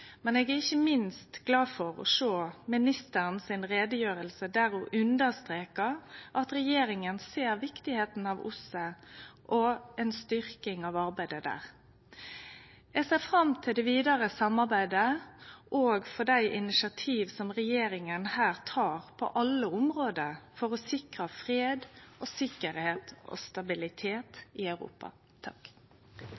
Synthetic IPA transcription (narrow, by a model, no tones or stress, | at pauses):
mɛneːɡæʁɪçəmɪnst̪ɡlɑːfɔʁɔ̰ʂoːmɪnɪst̪əʁənsɪnʁeːd̪əjøːʁəlsəd̪æːʁʊʔʉnd̪əʁst̪ʁeːkəʁʔɑt̪ɾɛjeːɾɪŋənseːɾʋɪkt̪ɪheːt̪n̩ɑʋʊ̰səʔɔɛnst̪ʏʁkɪŋɑːʋɑʁbæɪd̪əd̪æ̰ːʁ | jæɪseːfʁɑmt̪ʰɪld̪ɛʋiːd̪ɑʁəsɑmɑʁbæɪd̪əʔoːɡfɔd̪æɪʔɪnɪʃɑt̪ʰiːʋsɔmʁɛjeːɾɪŋənhæːʁt̪ʰɑːʁpʰɔ̰ʔɑlːəʊmʁoːd̪əfɔʁɔsɪkʁɑfʁeːd̪ʔoːsɪkːəɾheːt̪o̰ːst̪ɑbɪlɪt̪ʰeːt̪ɪœʉʁṵːpɑ̰ | t̪ʰɑk